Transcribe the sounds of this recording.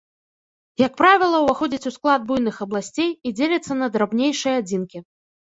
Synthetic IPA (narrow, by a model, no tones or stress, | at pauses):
jɐkpɾavʲilˠɐwvaxɔd͡zʲit͡sʲusklˠad̪̚bujnɨxɐblˠasʲt͡sʲejid͡zʲelʲɐt̪sːɐnɐd̪ɾabnʲejʂɨjɐad͡zʲinkʲi